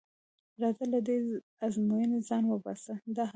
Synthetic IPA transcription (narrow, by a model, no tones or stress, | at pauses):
ɾɑd̪alad̪e | azmujənezɑnwəbɑ̰səd̪ɑh